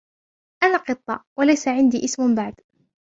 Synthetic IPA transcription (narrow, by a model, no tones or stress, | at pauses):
ʔanaːqɨt̪ˤːɑ̰walajsaʕɪnd̪iːʔɪsmʊbaʕd̪